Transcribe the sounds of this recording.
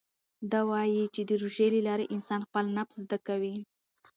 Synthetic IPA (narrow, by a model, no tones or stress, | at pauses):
d̪ɑwɑjit͡ʃed̪əɾuʒelelɑɾeʔɪnsɑnxpəlnapszd̪akawi